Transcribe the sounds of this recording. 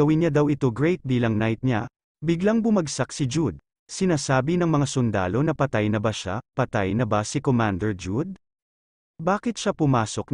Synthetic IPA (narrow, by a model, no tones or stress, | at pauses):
ɐwɪnɲad̪awɪt̪oɡɹɛjt̪̚biːlɐŋnajt̪̚ɲa̰ | bɪɡlaŋbʊmɐɡsak̚sɪd͡ʒud̪̚ | sɪnaːsaːbinɐŋmɐŋasʊnd̪a̰ːlo̞nɐpɐt̪ajnɐbɐʃa̰pɐt̪ajnɐbasɪkomand̪ɛɹd͡ʒud̪̚ | baːkɪt̪̚ʃapʊmaːso̞k̚n